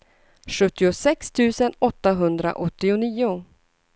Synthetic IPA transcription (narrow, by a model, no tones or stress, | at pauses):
ɧɵt̪ːɪʊsɛkst̪ʰʉ̟ːsənɔt̪ːaɦɵnd̪ɾa̰ʔɔt̪ːɪʊniːʊ